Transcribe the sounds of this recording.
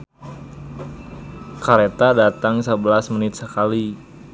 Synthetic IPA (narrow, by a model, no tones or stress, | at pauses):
kaɾet̪adat̪aŋsəbəlasmənɪt̪̚səkali